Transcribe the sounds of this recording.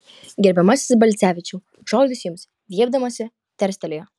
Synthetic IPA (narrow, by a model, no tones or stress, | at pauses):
ɡʲɛɾʲbʲɛmɑsʲɪ̥sbɐlʲt̪sʲæːʋʲɪt͡ʃʲu | ʒoːd̪ʲʊsʲjɪms | ʋʲiɛb̚d̪ɐmɐsʲɪ | t̪ʲɛɾʲsʲt̪ʲɛlʲɛjɛ